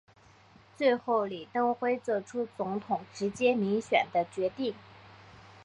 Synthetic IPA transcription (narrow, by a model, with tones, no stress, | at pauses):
t͡swe˥˧ɪxo˥˩ʊli˨˩t̪ɤ˥ŋxwe˥ɪt͡sɔ˥˧˩ʈ͡ʂʰu˥t͡sʊ˧˥ŋt̪ʰʊ˨˩ŋʈ͡ʂɻ̩˧˥t͡ɕjɛ˥mi˧˥ŋɕɥɛ˨˩nd̪ə˦t͡ɕɥɛ˧˥t̪i˥˩ŋ